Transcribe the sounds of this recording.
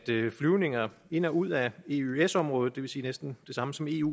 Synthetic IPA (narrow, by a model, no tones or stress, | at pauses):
d̥flyʊne̝ŋɐe̝n̰ɐuð̰ˠæe̝yesɒ̽mʁɔ̽ːð̩ˠd̥e̝ʋe̝siːnesd̥n̩d̥e̝sɑ̈məsɒ̽me̝̰ːṵ